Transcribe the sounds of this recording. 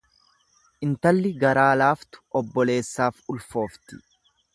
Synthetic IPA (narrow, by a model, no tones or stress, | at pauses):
ʔɪnt̪ɐlːɪɡɐɾaːlaːft̪ʊ̥ʔɔbːɔle̞ːsːaːfʊlfo̞ːft̪ɪ̥